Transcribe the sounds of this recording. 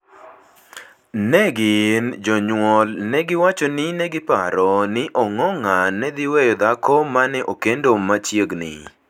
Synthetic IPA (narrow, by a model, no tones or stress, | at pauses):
nɛɡɪnd͡ʒɔɲwɔlnɛɡɪwat͡ʃɔnɪnɛɡɪpa̰ɾɔnɪʔɔŋɔŋanɛd̪ɪwejɔd̪akɔmanɛʔokendomat͡ʃjeɡnɪ̰